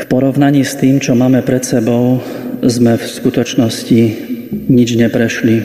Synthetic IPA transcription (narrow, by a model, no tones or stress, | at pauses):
fpɔɾɔʊnaɲiːst̪iːmt͡ʃɔmaːmɛpɾɛt̪sɛbɔʊ | zmɛfskut̪ɔt͡ʃnɔsciɲid͡ʒɲɛpɾɛʃli